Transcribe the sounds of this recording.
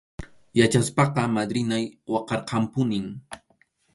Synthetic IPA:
jat͡ʃaspɑqɑmad̪ɾɪnajwɑqɑɾqɑmpʊnɪŋ

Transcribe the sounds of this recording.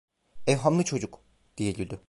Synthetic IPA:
ɛvɦamlˠɯt͡ʃʰo̞d͡ʒuk | d̪̥ijeɟʲylʲd̪y

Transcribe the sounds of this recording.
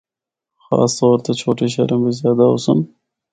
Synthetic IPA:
xɑ̰st̪awəɾt̪at͡ʃʰoʈeʃ̬aɾembezjɑd̪ao̰səm

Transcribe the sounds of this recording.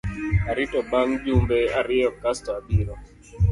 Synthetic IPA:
aɾɪtɔbaŋd͡ʒumbɛaɾɪɔkastɔabɪɾɔ

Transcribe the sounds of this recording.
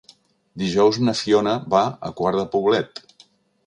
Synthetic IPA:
d̪iʒɔwznəsionəβaə̰kwaɾðəpuβ̞lɛt̪

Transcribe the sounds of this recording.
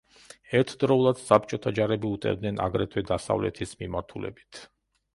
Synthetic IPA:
ɛɾt̪ʰd̪ɾɔulˠad̪̥sap̚ʰt͡ʃʼɔt̪ʰad͡ʒaɾɛbiut̪ʼɛ̰ɾd̪nɛna̰ɡɾɛt̪ʰwɛd̪asa̰vlɛ̰t̪ʰismimaɾt̪ʰulɛ̰bit̪ʰ

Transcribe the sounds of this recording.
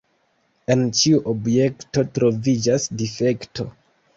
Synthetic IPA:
e̞nt͡ʃiuʔobje̞kto̞tɾo̞vid͡ʒasdife̞ktʰo̞̰

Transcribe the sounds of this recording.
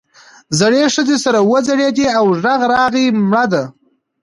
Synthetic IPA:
zaɽeʂəd̪esaɾawəzaɽed̪iawʐaɣɾɑɣimɽad̪a

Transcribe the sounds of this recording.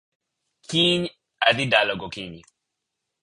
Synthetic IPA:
kiɲ | ad̪idalɔɡɔkiɲi

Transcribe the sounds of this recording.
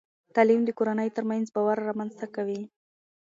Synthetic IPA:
t̪alimd̪əkoɾanəjt̪əɾmanzbawaɾːamanzt̪akawi

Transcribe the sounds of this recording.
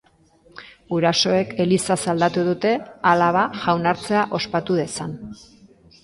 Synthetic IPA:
ɡuɾaso̞e̞ke̞lisasald̪at̪uðut̪e̞alaβ̞aʝawnaɾt͡se̞aʔo̞spat̪uðe̞san

